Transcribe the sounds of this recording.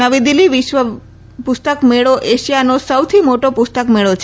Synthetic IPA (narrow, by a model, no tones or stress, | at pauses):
əʋid̪iliʋiʃʋə | pust̪əkmeɭoʔeʃijanosəwt̪ʰimoʈopust̪əkmeɭot͡ʃʰ